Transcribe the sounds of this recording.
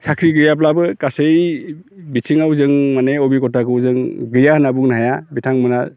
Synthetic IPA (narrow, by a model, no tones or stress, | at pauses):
sakʰɾiɡɯjap̬labɯkasej | bitʰiŋawzɯŋmaneɔbikɔtakɯwzɯŋɡɯjahnabuŋnɦajabitʰaŋmɯnal